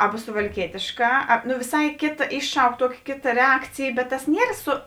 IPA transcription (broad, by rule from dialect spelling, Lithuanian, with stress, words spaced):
ˈɑːbɐ sʊʋɐlʲˈkʲiɛtʲeːʃˌkɑː ɐ nʊ ʋʲɪˈsɐɪ ˈkʲeːtɐ ˈɪʃˌʃɐʊk ˈtuɔkʲɪ ˈkʲeːtɐ ˈrʲɛɐkt͡sʲeːj bʲɛt tɐs ˈnʲiɛr ˈsʊ